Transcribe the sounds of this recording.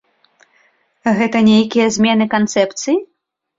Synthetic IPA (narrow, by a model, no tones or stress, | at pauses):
ɣɛt̪ɐnʲejkʲijɛzʲmʲɛnɨkant̪sɛpt̪sɨji